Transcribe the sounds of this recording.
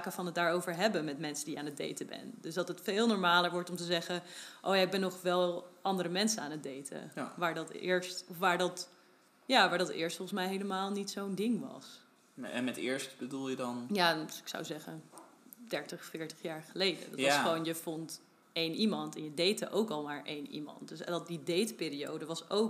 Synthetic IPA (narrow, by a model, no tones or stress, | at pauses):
kəfɑnətdaːɹowvəɹɦɛbəmɛtmɛnsədijaːnəd̚dḛjtəbɛ̰ndøsdɑtətfɪːlˠnɔːɹmaːləɹʋɔɹtɔmtəzɛχəʔo̰wjaɪɡ̚bɛnːɔχʋɛlˠʔɑndəɾəmɛnsənaːnət̚dejtʰə̰ʋaːɹdɑtɪ̰ːɹstɔfʋaːɹdɑt | jaːʋaːɹdɑtɪ̰ːɹstfɔlˠχən̩smɛjɦeləmaːlˠnitsowndɪŋʋɑ̰s | ɛ̰nmɛtɪ̰ːɹstbədulˠjədɑnjaːɪksa̰wzɛχənd̥ɛɹtəχfɪːɹtə̥χjaːɹχəlejdə̰dɑtsχəʋownjəfɔnt | ejnimɑntɛnjədejtəʔowkɑlˠmaːɹʔejnḭmɑ̰ntd̥øsdɑtdidejtəpɪːɾio̰wdəʋɑsowk